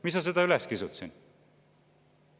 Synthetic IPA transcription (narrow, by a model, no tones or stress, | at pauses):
mismɑs̬e̞d̪̥ɑylɛskisut̪sin